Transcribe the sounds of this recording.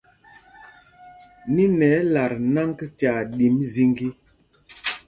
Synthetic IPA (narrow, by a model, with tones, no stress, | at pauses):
ni˦nɛ˨˦la˨ɾna˦ŋɡta˨ɗi˨˦mzi˦ŋɡi˦